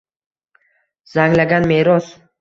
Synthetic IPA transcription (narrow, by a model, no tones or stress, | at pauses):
zaŋlaɡʲanmeɾɒs